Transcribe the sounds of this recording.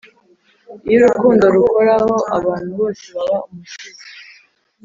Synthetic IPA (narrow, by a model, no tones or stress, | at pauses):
ioɾukuːndoɾukoɾaho̞ʔaβaːn̥huβo̞ːseβaβaumuʃizi